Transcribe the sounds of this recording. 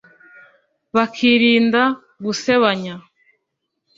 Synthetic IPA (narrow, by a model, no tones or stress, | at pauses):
βakʰiːɾiːnda | ɡuse̞βaɲa